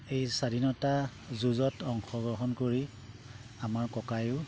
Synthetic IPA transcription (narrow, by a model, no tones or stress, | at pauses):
ejsadʱinɔta | zuzɔtɔŋxɔɡɹɔɦɔnkoɹi | amaɹkɔkajʊ